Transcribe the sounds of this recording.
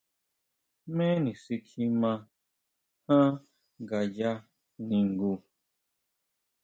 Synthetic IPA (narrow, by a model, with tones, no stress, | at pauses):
mɛ̃˦nĩ˨si˧kʰi˦mã˦˧ | hã˦ | ɡa˨d͡ʒa˦ | nĩ˨ŋ̩˨ɡu˨